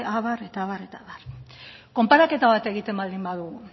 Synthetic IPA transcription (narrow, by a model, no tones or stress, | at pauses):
aβaɾe̞t̪aβaɾe̞t̪aβarko̞mpaɾake̞t̪aβat̪e̞ɣ̞it̪e̞mbald̪imbaðuɣu